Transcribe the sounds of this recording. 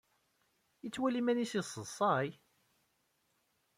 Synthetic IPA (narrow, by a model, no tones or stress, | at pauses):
ət͡sːwælimænisisˤəsˤːɑj